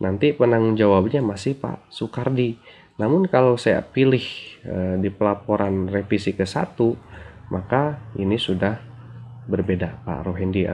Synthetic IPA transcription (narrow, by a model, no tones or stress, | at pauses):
nʔant̪ipənaŋd͡ʒawab̚ɲamasɪhpa̰ʔsukardi | namʊnkalawsaja̰pilɪhədipəlapoɾanrefisikəsa̰t̪umʔakainisudah | bərbedapa̰roɦindḭ